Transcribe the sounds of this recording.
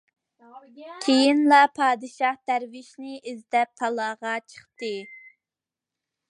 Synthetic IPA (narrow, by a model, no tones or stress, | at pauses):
kʲʰejinlˠɑpʰɑːd̪ɨʃɑhd̪̥æɾvɪʃnɪʔizd̪ɛp̚t̪ʰɑlˠɑːʁɑt͡ʃʰə̥χt̪ɨ